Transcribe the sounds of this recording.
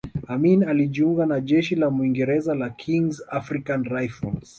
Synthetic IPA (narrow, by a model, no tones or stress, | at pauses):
aminaliʄiuŋɡanaʄɛʃilamuiŋɡɛɾɛzalakʰiŋzafɾikanɾajfɔlz